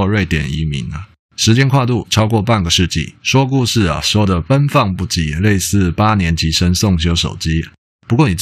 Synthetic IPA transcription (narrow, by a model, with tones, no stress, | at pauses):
ɻwe˥˩ɪt̪jɛ˨˩nḭ˧˥mḭ˧˥nə˧˦ | ʂɻ̩˧˥t͡ɕjɛ˥nkʰwa˥˧t̪u˥˩ʈ͡ʂʰɑ˥ʊk̬wɔ˥˧pa˥˩nɡə˩ʂɻ̩˥˧t͡ɕḭ˥˩ʂwɔ˥k̬u˥˧ʂɻ̩˥˩ɐ̰˨˩ʂwɔ˥d̪ə˨fə˦nfɑ˥˧ŋpu˥˩t͡ɕi˧˥˦le˥˨˧ɪsɹ̩˥˩pa˦njɛ˧˥nt͡ɕʰi˧˥ʂə˦ŋsʊ˥˨ŋɕ̬jo˥ʊʂo˨˩ʊt͡ɕi˥ | pu˧kwɔ˥˩ni˨˩